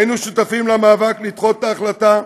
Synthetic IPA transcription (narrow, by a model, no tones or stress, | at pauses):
inuʃutafimlamaːvaklit̪χo̞ttaːχlata